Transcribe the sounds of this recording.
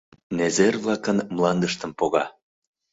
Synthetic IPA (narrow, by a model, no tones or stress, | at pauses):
nezerβlɑkənmlɑnd̪əʃt̪ə̆mpoɣɑ